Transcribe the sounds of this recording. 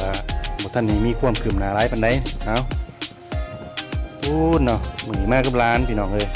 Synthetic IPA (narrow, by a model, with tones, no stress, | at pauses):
a˧˩bɔː˧˩t̪ʰa˧˥˨nːiː˧˩miː˧˨kʰu˧˩əmkʰɯ˨˩mnaː˨˦laː˨˦˥jpʰa˧˨nda˧˩jna˨˧˥w | t̪ʰuː˧nːɔ˧˩ma˧˩˨niː˧maː˧˩ka˧˥˩p̚laː˧˥npʰiː˧nɔː˧˩ŋʔɤː˧˩j